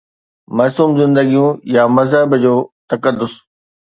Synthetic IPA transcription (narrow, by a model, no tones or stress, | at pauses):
mɐːsuːmzɪ̃nd̪əɡijũjamɐzɦəɪbd͡ʑoːt̪ɐkəd̪ːʊs